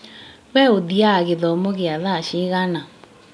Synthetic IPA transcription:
wɛodiaɣeðɔmoɣɪaðaʃɪɣana

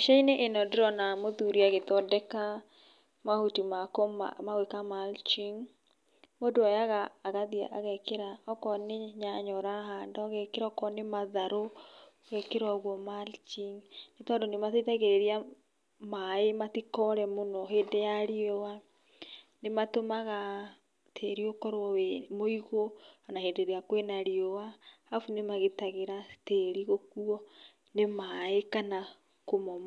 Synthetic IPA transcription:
ʃaineʔenɔdeɾɔnamoðuɾiaɣetɔdɛka | mahutimakoma̰maɣwekamalt͡ʃiŋ | modoajaɣaːɣaðia̰ʔaɣɛkeɾaɔkɔneɲaɲɔɾaɦandɔɣɛkeɾɔkɔnemaðaɾo | ɣɛkeɾwaɣwɔmalt͡ʃiŋnetɔndonematetɛɣeɾeɾia | maematikɔɾɛmonɔɦeːndejaɾiowa | nematomaɣa | tʰeɾiokɔɾwɔwɛmoiɣoanahedeɾeakwenaɾiowa | afunemaɣetaɣeɾateɾiɣokuɔ | nemaekana | komɔma

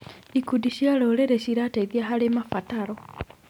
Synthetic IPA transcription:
ikudiʃialɔɾeɾeʃiɾaːtaiðiaɦalemafataɾɔ

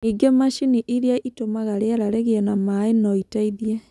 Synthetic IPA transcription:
iɡemaʃiniʔiɾeaʔitomaɣaɾeaɾaɾɛɣeɛnamaenɔitaiðiɛ

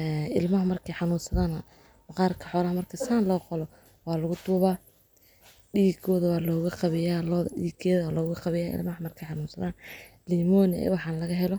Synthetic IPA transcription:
ɛːɪlmɐɦɐmɐrkʰɐjħɑnuːnsɐðaːnɐ | mɐqɑːrkʰɐ̥ħɔːlɐhɐmɐrkʰɐsaːnlɔːqɔlɔ | wɑːlɐɣʊt̪ʰuːβaː | ɖiːɡʰɔːðɐwaːlɔːɣɐqɑβɪjaːlɔːðɖḭːɡʰɛːðːlɔːɣɐqɑβɪjaːʔɪ̰lmɐɦɐmɐrkʰɐjħɑnuːnsɐðaːn | liːmɔnɪʔɛ̰wɑħɑːnlɐɣɐɦɛlɔ

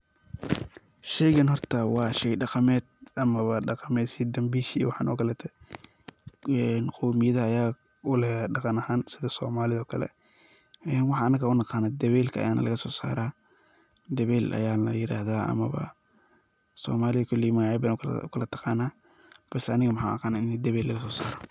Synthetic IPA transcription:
ʃɛjɣɐnhɔrt̪ʰɐwɑːʃɛjɖɑqɑmɛːd̪ʔɐmɐβɐɖɑqɑmɛːd̪siːd̪ɐmbiːʃwɑħɑ̰ːnʔɔ̰ːkʰɐlɛːt̪ʰɛ | ɛnqʰɔːmɪjɐðɐːjaː | ʊlɛɖɑqɑnɐhaːnsɪðɐsɔ̰ːmaːlɪðɔːkʰɐlɛ̰ | ɛːnwɑħɑɐnɐkʰɐʊnɑqɑːnaːd̪ɐβɛːlkʰɐʔɐ̰jaːnʔɐ̰lɐɣɐsɔːsa̰ːɾaː | d̪ɐβɛːlʔɐ̰jaːnɐjɪɾa̰ːhðaːʔɐ̰mɐβɐ̰ | sɔ̰ːmaːlɪðɐkʰɔlːɪjmaabanʰʊkʰɐlɐt̪ʰɐ̥qɑːnaː | b̥ɐsɛɐnɪɣɐmɐħa̰ʔɐ̰qɑːnaɪnd̪ɐβɛːlːɐɣɐsɔːsaːɾɔ

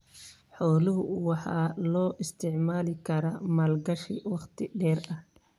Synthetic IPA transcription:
ħɔːlʊɦʊwɑħɑ̰ːlɔːʔɪst̪ʰɪʕmaːlɪkʰɐɾɐmɐːlɡɐʃḭwɑχt̪ʰɪɖɛːrɐh

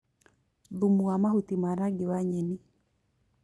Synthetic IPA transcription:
ðumuamahut̪imaɾaɡɪwaɲeni

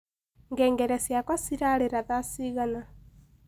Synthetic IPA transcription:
ŋɡɛːŋɡɛɾɛsjakwasiɾaɾeɾaðasiɣana

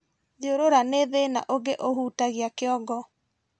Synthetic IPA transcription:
ðioɾoɾaneðena̰ʔoɡeʔoɦuːtaɣiakeɔɡɔ

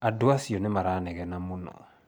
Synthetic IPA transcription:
adoasionemaɾanɛɣɛnamunɔ̰

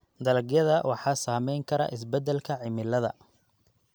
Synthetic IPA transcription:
d̪ɐlɐɡjɐðɐwʔɑħɑːsaːmɛjŋkʰɐɾɐ̰ʔɪs̬bɛd̪ɛlkʰɐʕɪmɪlɐðɐ̰

